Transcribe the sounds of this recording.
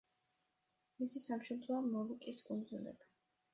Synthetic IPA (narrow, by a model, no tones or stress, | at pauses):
misisamʃɛmt̪ɾɔɔmːɔlukʼiskʼund̪zulɛ̰ba